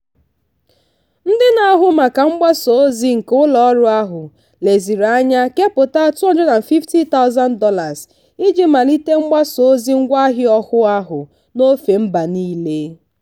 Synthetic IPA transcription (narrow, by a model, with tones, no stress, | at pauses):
n̩˦dɪ˦na˨˦ɦʊ˦ma˨ka˨ŋ͡m̩˦ɡ͡ba˦so˨˦zi˦ŋ̩˨kʊ˦lɔ˦ɾʊ˦a˦ɦʊ˨ | le˨zi˨ɾa˦ɲa˦ke˦pʊ˨ta˦tʊ˦ɔ˦d͡ʒɔ˦na˨fi˦fti˦ta˦ʊ˦za˦ndɔ˦la˨z | i˦d͡ʒi˦ma˨li˦te˦ŋ͡m̩˦ɡ͡ba˦so˨˦zi˦ŋ̩˦ɡʷa˦ɦɪ˦ɔ˦hʊ˦a˦ɦʊ˨ | no˦fe˨m̩˦ba˨niː˦le˦